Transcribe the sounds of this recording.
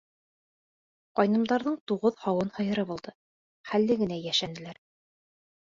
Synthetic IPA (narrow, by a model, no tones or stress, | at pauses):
qɑjnɤ̆md̪ɑɾðɤɴt̪uʁɤðhɑwɤnhɤ̆jɤ̆ɾɤbulˠd̪̥ɤ | χælːɘɡɘ̆næjæʃænɘ̆læɾ